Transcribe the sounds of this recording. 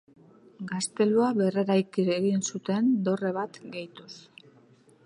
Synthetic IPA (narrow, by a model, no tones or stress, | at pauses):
ɡast̪e̞luaβe̞reɾajkiɾeɣinsut̪e̞nd̪o̞re̞βat̪ɡejt̪us